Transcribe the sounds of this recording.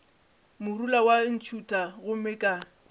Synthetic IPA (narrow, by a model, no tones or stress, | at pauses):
mʊrulawan̩t͡ʃʰutʼaɣʊmɪkʼa